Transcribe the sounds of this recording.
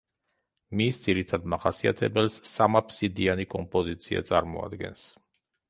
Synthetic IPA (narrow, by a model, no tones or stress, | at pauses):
misd̪ziɾit̪ʰad̪maχasia̰t̪ʰɛbɛlsːamapʰsid̪ianikʼɔmpʼɔzit̪sʰia̰t̪sʼaɾmɔa̰d̪ɡɛ̰ns